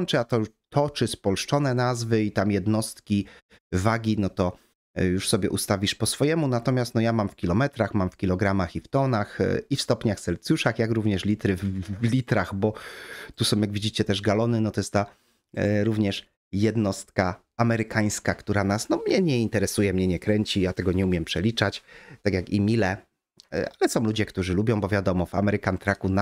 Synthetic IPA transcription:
nt͡ʂɛat̪ɔjuʂt̪ʰɔt͡ʂɘspɔlʂt͡ʂɔnɛnazvɘit̪amjɛd̪nɔst̪̚kʲi | vaɡʲinɔt̪ɔ | juʂsɔbʲjɛʔust̪avʲiʂpɔsfɔjɛmunat̪ɔmʲjast̪nɔjamamfkʲilɔmɛt̪ɾaxmamfkʲilɔɡɾamaxift̪ɔnaxifst̪ɔpɲaxt̪sɛlt̪sjuʂaxjakɾuvɲɛʂlʲit̪ɾɘvvlʲit̪ɾaxbɔt̪usɔ̃w̃jaɡvʲid͡ʑit͡ɕɛt̪ɛʐɡalɔnɘnɔt̪ɔjɛst̪a | ɾuvɲɛʂ | jɛd̪nɔst̪ka | amɛɾɘkaj̃skakt̪uɾanasnɔmɲɛɲɛint̪ɛɾɛsujɛmɲɛɲɛkɾɛɲt͡ɕijat̪ɛɡɔɲɛumʲjɛmpʂɛlʲit͡ʂat͡ɕt̪akjakimʲilɛ̰ | alɛsɔ̃w̃lud͡ʑɛkt̪uʐɘlubʲjɔ̃w̃bɔvʲjad̪ɔmɔva̰mɛɾɘkant̪ɾakun

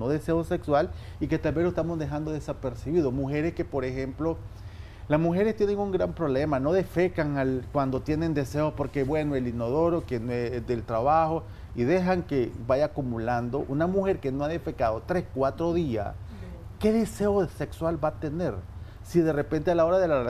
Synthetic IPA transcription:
noðese̞osekswal | iket̪albe̞loest̪amozðe̞xand̪o̞ðesapeɾsiβiðomuxe̞ɾeske̞po̞ɾexemplo̞ | lasmuxe̞ɾest̪jeneŋuŋɡɾampɾo̞βle̞mano̞ðe̞fe̞kaŋalkwand̪o̞t̪jene̞nd̪e̞seospo̞ɾke̞βwe̞noelinoðoɾokenoezd̪e̞lt̪ɾaβaxo̞ | iðe̞xaŋke̞βajakumuland̪o̞ʔunamuxe̞ɾke̞noaðefe̞kaðot̪ɾe̞skwat̪ɾo̞ðia̰s | ke̞ðe̞se̞osekswalbat̪e̞ne̞ɾ | siðe̞repe̞nt̪ealao̞ɾaðela

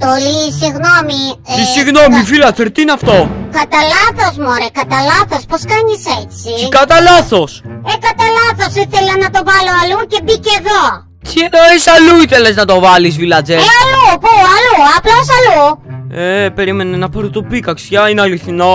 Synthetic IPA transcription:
t̪olisiɣnomiisiɣno̞mifilɐt͡seɾt̪iineɐft̪o̞kɐt̪ɐlɐθo̞zmoɾekɐt̪ɐlɐθo̞sposkɐɲiset͡siikɐt̪ɐlɐθo̞sekɐt̪ɐlɐθo̞siθelɐnɐt̪o̞vɐloɐluce̞biceðo̞ | tieɾoisɐluiθeleznɐt̪o̞vɐlizvilɐt͡seɐlupuɐluɐplosɐluepe̞ɾime̞nɐnɐpɐɾot̪opikɐksjɐineɐliθino̞

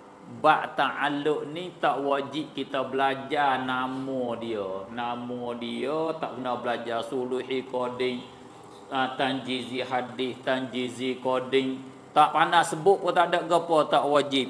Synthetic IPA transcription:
baʔt̪aʔaloʔnit̪aʔwad͡ʒip̚kit̪əbəlad͡ʒanamɔdiənamɔdiət̪aʔkənabəlad͡ʒasuluhikodɪŋ | at̪and͡ʒiziɦadɪst̪and͡ʒizikodɪŋ | t̪aʔpanasəbʊʔkət̪aʔdaʔɡəpɔt̪aʔwad͡ʒɪp̚

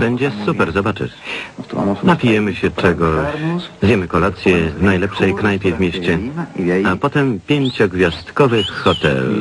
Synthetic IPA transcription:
bɛɲd͡ʑɛsupɛɾzɔbat͡ʂɘ̰ | napʲijɛmɘɕɛt͡ʂɛɡɔɕzʲjɛmɘkɔlat̪sʲjɛvnajlɛpʂɛjknajpʲjɛvmʲeɕt͡ɕɛ | apɔt̪ɛmpʲjeɲt͡ɕɔɡvʲjast̪kɔvɘxːɔt̪ɛ̰l

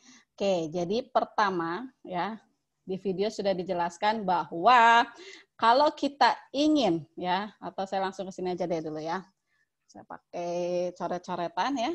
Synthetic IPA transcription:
ked͡ʒadipərt̪amaja | difideosudahdid͡ʒəlaskanbahwa | kalokit̪aiŋɪnjaat̪awsajalaŋsʊŋkəsiniad͡ʒadɛduluja | saja̰pa̰ket͡ʃoɾɛt̪̚t͡ʃoɾɛt̪anja

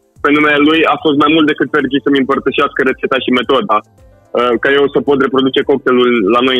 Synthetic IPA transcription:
pe̞nume̞lelujafo̞s̬t̪̚majmult̪d̪e̞kɨt̪̚pe̞rd͡ʒisəmɨmpərt̪əʃeaskəɾe̞t̪set̪aʃime̞t̪o̞d̪a | əkaje̞wsəpo̞t̪re̞pɾo̞d̪ut͡ʃe̞ko̞k̚t̪e̞lulːano̞j

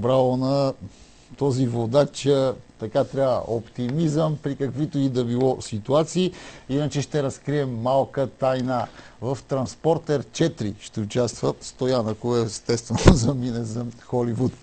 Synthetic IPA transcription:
bɾalˠonɐ | t̪ɔzivod̪at͡ʃət̪ɐkat̪ɾʲaə̰ʔopt̪imizəmpɾikɐkvit̪oid̪ɐbilˠɔsit̪uat̪siːinɐt͡ʃɛʃt̪ɛɾɐskɾiɛmːalˠkət̪ajnəvɐft̪ɾɐnspɔɾt̪ɛɾt͡ʃɛt̪ɾḭʃt̪ɛut͡ʃast̪vət̪st̪ojanəkoɛst̪ɛst̪vɛnozɐminɛzɐxɔlivut̪

